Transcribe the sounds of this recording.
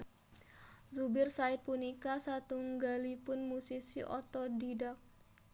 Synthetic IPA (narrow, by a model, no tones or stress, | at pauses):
zubɪrsaɪt̪̚punikasat̪uŋɡalipʊnmusisiʔɔ̰t̪ɔdidak̚